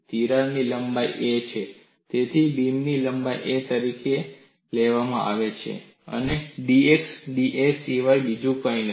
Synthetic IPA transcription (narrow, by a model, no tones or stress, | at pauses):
t̪iɾaniləmbajʔet͡ʃʰe | t̪et̪ʰibimniləmbajʔet̪əɾike | leʋamã̰ʔa̰ʋet͡ʃʰḛ | ə̰neɖieksɖiʔesiʋajbid͡ʒũkəin